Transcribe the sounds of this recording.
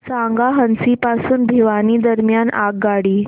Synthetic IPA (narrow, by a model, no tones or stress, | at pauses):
saŋɡaɦənsipasuːnb̪ʱiʋaniːd̪əɾmjanaɡɡaɽiː